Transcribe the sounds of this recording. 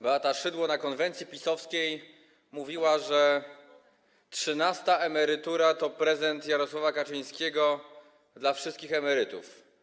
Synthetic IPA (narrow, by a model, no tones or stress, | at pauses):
bat̪aʂɘd̪wɔnakɔnvɛnt̪sʲjipʲisɔfskʲej | muvʲiwaʐɛ | tʂɘnast̪aʔɛmɛɾɘt̪uɾat̪ɔpɾɛzɛnt̪jaɾɔswavakat͡ʂɘj̃skʲeɛɡɔ | d̪lafʂɘst̪kʲixɛmɛɾɘt̪ṵf